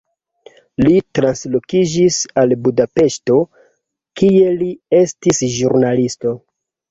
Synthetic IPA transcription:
litɾanslo̞kid͡ʒisalbudape̞ʃto̞ | kie̞lie̞stisʒuɾnalisto̞

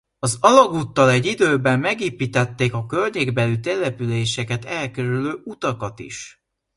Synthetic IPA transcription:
ɒzɒlɒɡuːt̪ːɒlɛɟːid̪øːbɛmːɛɡeːpiːt̪ɛt̪ːeːkɒkølɲeːɡbɛlyt̪ɛlɛpyleːʃɛkɛt̪ɛlkɛɾyløːʔut̪ɒkɒt̪ḭʃ

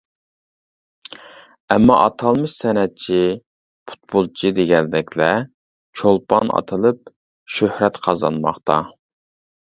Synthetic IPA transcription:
ɛmːɑ̰ʔɑt̪ʰɑlˠmɨʃsɛnɛt̪̚t͡ʃʰi | pʰu̥t̪̚bolˠt͡ʃʰid̪eɡʲɛld̪ɛkʲlɛ | t͡ʃʰolˠpʰɑnʔɑ̰t̪ʰɨlˠɨp̚ | ʃøhɾɛt̪qʰɑzɑ̰nmɑχt̪ʰɑ

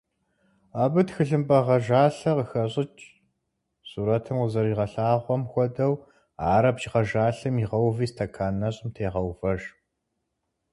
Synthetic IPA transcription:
aːbɨtxɨɮɨmpʼɐʁɐʒaːɬɐqəxɐɕʼɪt͡ʃʼ | suːɾɐtʰɨmqəzɐɾiːʁɐɬaːʁʷɔmxʷɔdɐw | aːɾɐbt͡ʃʁɐʒaːɬɨmiʁɐwviːstʰɐkʰaːnɐɕʼɪmtʰeːʁɐwvɐʒ

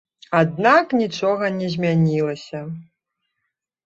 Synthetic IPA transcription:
ad̪̚naknʲit͡ʂɔɣɐnʲɛzʲmʲanʲilˠɐsʲɐ

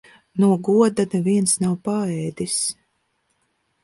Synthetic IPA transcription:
nuɔɡuɔd̪ad̪aviɛnsnawpaɛːd̪is

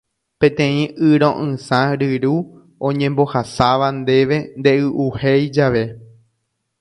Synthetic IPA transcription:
pẽ̞t̪ẽ̞ĩʔɨɾõ̰ʔɨ̃sãɾɨɾu | õɲẽmbo̞hasaʋand̪e̞ʋe̞nd̪e̞ʔɨʔuhejd͡ʒaʋe̞

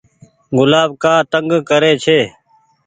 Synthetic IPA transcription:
ɡʊlaːb̚kaːt̪əŋɡkəɾeːt͡ʃʰeː

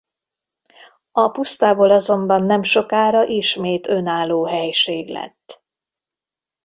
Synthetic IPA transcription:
ɒpust̪aːboːlɒzo̞mbɒnːɛmʃo̞kaːɾɒʔiʃmeːt̪ø̞naːlːoːɦɛjʃeːɡlɛ̰t̪ː

